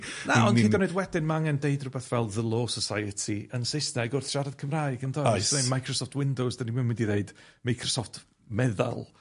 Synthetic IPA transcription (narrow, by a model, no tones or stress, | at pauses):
naɔniːdɔnoɨjdwɛdɪnmaaŋɛndeɨdrʊbɛθvɛlˠðəlˠoːsəsajətʰiənsɪsnɛɡʊrθʃaɾað̥kʰəmraːɨɡəndɔsnemajkʰrɔsɔftʰwɪndowsd̥animɪnwɪndiðeɨdmajkʰrɔsɔftʰ | mɛða̰lˠ